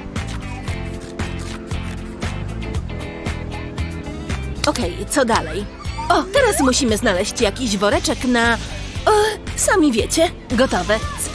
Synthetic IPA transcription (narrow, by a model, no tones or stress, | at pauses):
ɔkɛjt̪sɔd̪alɛj | ɔt̪ɛɾasmuɕimɘznalɛɕt͡ɕjakʲiʑvɔɾɛt͡ʂɛknaɔsamʲivʲjet͡ɕɛ | ɡɔt̪ɔvɛ